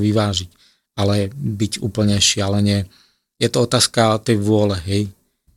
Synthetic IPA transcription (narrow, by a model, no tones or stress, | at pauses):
ʋiʋaːʒic | alɛbiɟṵːpl̩ɲɛʃɪalɛɲɪɛ | jɛt̪ɔɔt̪aːskat̪ɛjʋʊɔlɛɦɛj